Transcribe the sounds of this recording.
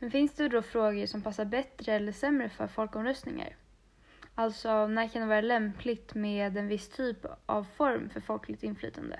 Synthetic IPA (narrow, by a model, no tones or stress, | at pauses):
mɛnfɪnsd̪ɛvɛld̪ɔfɾoːɡəʂɔmpʰasːaɾbɛt̪ɾəɛlːəʂɛmːɾəfœ̰ɾfɔlkɔmɾœst̪nɪŋa̰ɾ | alt̪sɔnæːɾkʰand̪ɛvɑːɾalɛmpʰlɪɡt̪meːd̪ɛnvɪst̪ʰyːpʔa̰vfɔɾmfœɾfɔlkʰlɪt̪ɪnːfly̰ːt̪ʰa̰nd̪ə̰